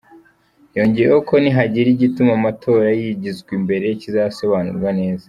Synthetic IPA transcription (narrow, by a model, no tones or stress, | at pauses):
jo̞ːɲɟejeoko̞niɦaɟiɾiɟitumamatʰo̞ːɾajiɟizɡwimbe̞ɾe̞jecizaso̞βanṵɾɡwane̞ːza